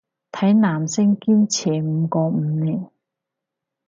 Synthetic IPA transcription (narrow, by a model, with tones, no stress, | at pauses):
t̪ʰɐ˨˥jnaː˨˩msɪ˥ŋkiː˥mt͡sʰɛː˨˩m̩ː˨˧kɔː˧m̩ː˨˧niː˨˩n